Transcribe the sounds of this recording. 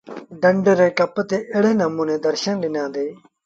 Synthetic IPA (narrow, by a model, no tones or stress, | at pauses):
ɖəɳɖəɾeːkɐpt̪eːʔɪɽeːnəmũːnẽːd̪əɾʃənlɪnãːd̪eː